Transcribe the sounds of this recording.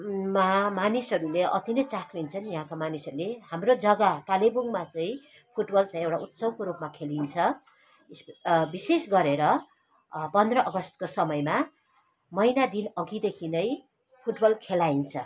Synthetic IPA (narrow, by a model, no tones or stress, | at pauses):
mamanisʌɾuleʔʌt̪inʌjt͡sakʰint͡sʰʌnjʌɦãkamanisʌɾuleɦamrod͡zʌɡat̪alebuŋmat͡saĩ | pʰuʈbʌlt͡saĩewʈaut̪sʌbkoɾupmakʰelint͡sʰʌ | sbisesɡʌɾeɾʌ | pʌnd̪rʌʔʌɡʌst̪kosʌmʌjma | mʌjnad̪inʌɡid̪ekʰinʌj | pʰuʈbʌlkʰelaint͡sʰʌ